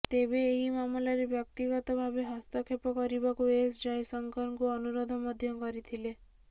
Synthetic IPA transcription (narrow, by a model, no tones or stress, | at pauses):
t̪ebeːɦimamlaɾebjɔk̚t̪iɡɔt̪ɔbʱabeɦɔst̪ɔkʰepɔkɔɾibakuesd͡ʒajsɔŋkɔɾŋkuɔnuɾod̪ʱɔmɔd̪ʱjɔkɔɾit̪ʰile